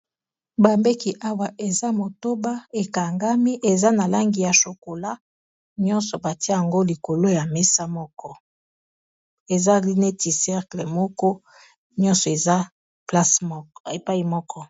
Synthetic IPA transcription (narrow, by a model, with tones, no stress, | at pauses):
ba˨mbe˦ki˨ʔa˦wa˨ʔe˨za˦mo˨to˦ba˦e˨ka˨ŋɡa˦mi˦ʔe˨za˦na˨la˦ŋɡi˨ja˨ʃo˨ko˨la˦ | ɲɔ̃˦nsɔ˨ba˨ti˦a˦ja˨ŋɡo˦li˨ko˨lo˦ja˨me˦sa˦mɔ˦kɔ˦ | e˨za˦li˦ne˦ti˨sɛ˦ʁkle˨mɔ˦kɔ˦ | ɲɔ̃˦nsɔ˨e˨za˦ | pla˦se˨pa˦i˨mɔ˦kɔ˦